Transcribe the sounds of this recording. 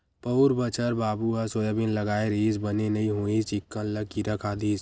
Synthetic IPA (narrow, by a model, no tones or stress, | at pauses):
pəɾbət͡ʃʰəɾbaːbuɦasoːjəbɪnləɡaːeɾiːzbənenəĩɦoit͡ʃɪkːənləkːiɾəkʰad̪iːs